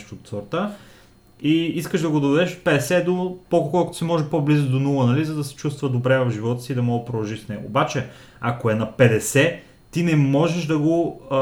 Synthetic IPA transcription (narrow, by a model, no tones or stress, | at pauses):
ʃt̪ot̪səɾt̪a | iiskəʒd̪ɐɡod̪ovɛd̪ɛʃo̥t̪̚pɛd̪ɛsɛd̪opɔlˠkkɔlˠkʊt̪simɔʒɛpoblizʊd̪onulˠənɐlizɐd̪ɐsɛ̥t͡ʃust̪vəd̪obɾɛvɐvʒivɔt̪ə̥siːd̪ɐmɔɡəpɾod̪ˠɐlˠʒiʃsnɛɡo̰ːbat͡ʃɛ | ɐkoɛnɐpɛd̪ɛsɛ | t̪inɛmɔʒɛʒd̪ɐɡo